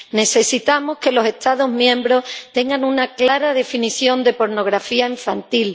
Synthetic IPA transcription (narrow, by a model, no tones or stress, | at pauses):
ne̞se̞sit̪amohke̞lo̞se̞ht̪aðoɦmjẽ̞mbɾo̞ht̪e̞ŋɡaŋunaklaɾaðe̞finiθjo̞nd̪e̞po̞ɾno̞ɣ̞ɾafiaiɱfant̪il